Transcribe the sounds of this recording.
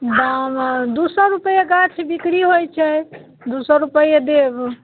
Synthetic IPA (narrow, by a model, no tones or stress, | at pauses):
b̪amd̪usəɾːupəjeɡat͡ʃʰbikɾiɦojt͡ʃʰɛ | d̪usəɾːupəjed̪eb